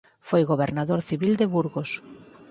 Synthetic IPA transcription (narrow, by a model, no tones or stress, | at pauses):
fojɣoβeɾnaðoɾθiβild̪ɪβuɾɣos